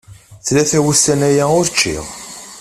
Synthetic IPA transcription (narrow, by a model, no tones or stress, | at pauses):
θlæθæwust̪ænæjæʊɾt͡ʃːḭʁ